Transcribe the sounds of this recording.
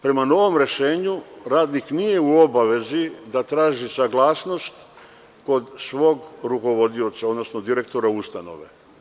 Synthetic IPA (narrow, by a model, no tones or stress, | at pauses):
pɾe̞mano̞ʋo̞mɾe̞ʃeːɲuɾaːd̪niknije̞uo̞baʋe̞zid̪at̪ɾaːʒisaɡlˠaːsno̞st̪ | ko̞d̪sʋo̞ːɡɾuko̞ʋo̞d̪io̞t̪saod̪no̞sno̞d̪iɾe̞k̚t̪o̞ɾaust̪ano̞̰ʋe̞̰